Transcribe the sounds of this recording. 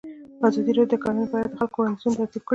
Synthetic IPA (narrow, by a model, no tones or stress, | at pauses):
pazɑd̪iɾod̪əkɑnunbɑjad̪xalkohensunt̪asib̚kə